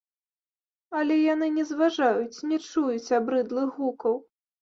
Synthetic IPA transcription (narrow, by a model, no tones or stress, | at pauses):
ɐlʲɛjan̪ɨnʲɛzvaʐajut͡sʲnʲɛt͡ʂujut͡sʲabɾɨd̪lˠɨɣukɐw